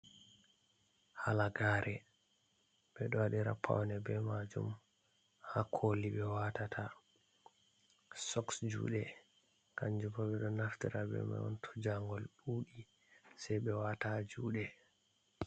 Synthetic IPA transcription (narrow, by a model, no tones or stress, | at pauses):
halaɡaːɾʔɛ | ɓɛɗɔwaɗiɾa̰pʰːa̰wnɛbɛmad͡ʒṵm | hakʰoliɓɛwatatʰa | sɔksd͡ʒṵːɗɛ | kaɲd͡ʒupɔɓɛɗɔnaftiɾabɛ̰ma̰ɔ̰ntʰɔ̥d͡ʒaŋɡɔlɗuːɗi | sajɓɛwatad͡ʒuːɗɛ